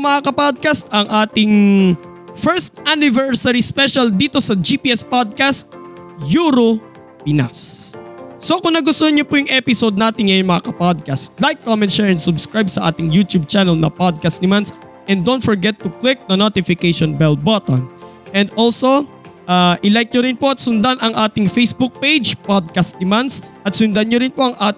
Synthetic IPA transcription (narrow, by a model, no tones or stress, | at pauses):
mɐʔakɐpad̪̚kɐst̪ɐŋʔaːt̪ɪŋ | fɛɹst̪anɪvɛɹsɐɹispɛʃɐld̪iːt̪o̞sɐd͡ʒipiʔɛspod̪̚kast̪̚ | juːɾo | pɪna̰sː | o̞kʊŋnɐɡʊst̪oɲopujʊŋʔɛpɪsod̪̚naːt̪ɪŋŋɐjoŋmɐakɐpod̪̚kɐst̪̚lajkːomɛ̃nt̪ʃɛɹɛ̃nd̪sʊbskɹajbsɐʔa̰ːt̪ɪŋjut̪jub̚t͡ʃanɛlnɐ̰pod̪̚kɐst̪nɪmans | ʔɛnd̪õnt̪fɔɹɡɛt̪ːʊklɪk̚nɐnot̪ɪfɪkejʃonbɛl̚bot̪on | ʔɛ̃nd̪ʔolso̞ | ʔaːʔɪlɛjk̚ɲoɾɪnpoɐt̪̚sʊnd̪anɐŋʔaːt̪ɪŋfejsbuk̚pejd͡ʒpod̪̚kɐst̪̚d̪ɪmand̪sʔɐt̪̚sʊnd̪anɲoɾɪnpo̞ɐŋʔaːt̪